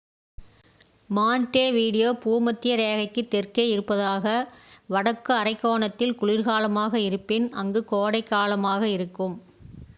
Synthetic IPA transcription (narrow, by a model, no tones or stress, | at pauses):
maːnʈeːʋiːɽɪjoːpuːmɐt̪ːɪjɐɾeːɣɐɪkːɯt̪ːɛrkeːɪɾɯpːɐðaːɣɐʋɐɽɐkːɯɐrɐɪkːoːɳɐt̪ːɪlkʊɭɪɾɣaːlɐmaːɣɐɪɾɯpːɪnɐŋɡɯkoːɽɐɪkːaːlɐmaːɣɐɪɾɯkːɯm